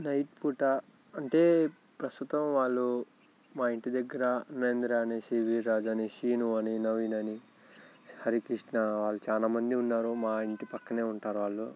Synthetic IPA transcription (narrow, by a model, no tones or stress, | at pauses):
nɐjʈpuːʈɐ | ɐɳʈe̞ː | pɾɐst̪ut̪ɐmʋaːɭːu | maːiɳʈid̪ɐɡːɐɾɐnɐɾend̪ɾaːnesiːʋiɾaːd͡ʒaːniʃiːnuɐninɐʋinɐni | hɐɾikɾiʂʈnɐʋaːɭːut͡ʃaːlaːmɐnd̪iunːaːɾumaːiɳʈipɐkːɐne̞ːuɳʈaːɾuʋaːɭːu